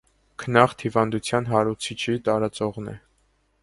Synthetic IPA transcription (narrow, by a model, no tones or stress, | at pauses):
kʰənɑχt̪ʰhivɑnd̪ut͡sʰjɑnɦɑɾut͡sʰit͡ʃʰit̪ɑɾɑt͡sɔʁnɛ̰